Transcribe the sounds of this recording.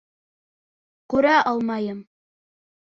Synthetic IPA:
kʉɾæʔɑlˠmɑjɤm

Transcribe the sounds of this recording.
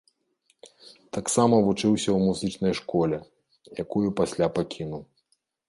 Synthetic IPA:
t̪aksamɐvut͡ʂɨwsʲɐwmuzɨt͡ʂnɐjʂkɔlʲɛ | jakujupasʲlʲapakʲinuw

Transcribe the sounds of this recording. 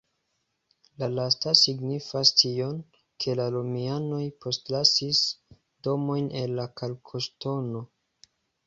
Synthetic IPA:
lalastasiɡnifastio̞n | kʰe̞lalumiano̞jpʰo̞stlasis | do̞mo̞jnʔe̞nːakʰalkʰosto̞no̞

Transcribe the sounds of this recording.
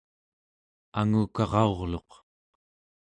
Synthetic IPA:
aŋuːkɑʁɑo̞ʁlo̞q

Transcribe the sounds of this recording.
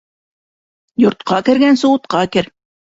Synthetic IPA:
jŏɾt̪̚qɑkɘ̆ɾɡænsŏwɤ̆t̪̚qɑkɘɾ

